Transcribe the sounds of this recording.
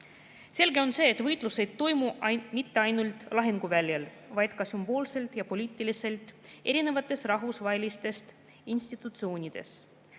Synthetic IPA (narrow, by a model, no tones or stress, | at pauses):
se̞lɡe̞o̞nse̞ːt̪vɤjt̪ˑluse̞jd̪̥̚t̪o̞jmumit̪ːe̞ɑjnult̪ˑlɑɦeŋɡ̥uvælʲjel | vɑjd̪̥kɑsymbo̞ːlse̞lt̪jɑpo̞lʲiːt̪ˑːilise̞lt̪ˑe̞ɾine̞vɑt̪ːˑe̞srɑɦvusvɑelʲist̪e̞st̪ | insʲt̪it̪ˑut̪sio̞ːnʲid̪̥e̞̰s